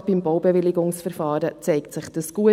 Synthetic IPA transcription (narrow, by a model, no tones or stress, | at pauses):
b̥imbowbɛʋɪlɪɡʊŋsfɛɾfɑːɾət͡sɛɪktsɪχd̥əsɡ̥uə